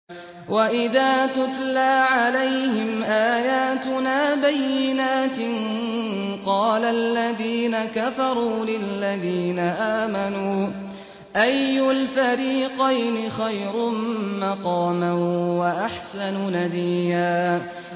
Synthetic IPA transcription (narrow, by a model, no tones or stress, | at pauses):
waʔɪðaːt̪ʊt̪laːʕalajhɪmʔaːjaːt̪ʊnaːbajːɪnaːt̪ɪn | qɑːlalːaðiːnakafɑɾˤuːlɪlːaðiːnaʔaːmanuː | ʔajːʊlfaɾiːqɑjnɪxajɾʊmmɑqɑːmawaʔaħsanʊnad̪iːhaː